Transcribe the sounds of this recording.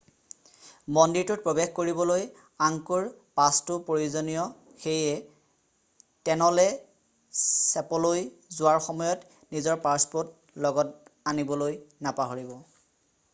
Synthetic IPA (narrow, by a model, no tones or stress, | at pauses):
mɔndiɹtʊt̚pɹɔbexkoɹibɔloj | aŋkuɹpastʊpɹojuzɔnijɔ | xejɛ | tɛnɔlɛ | sɛpɔlojzʊwaɹxɔmɔjɔt | nizɔɹpaɹspot | lɔɡɔtanibɔlojnapaɦoɹibɔ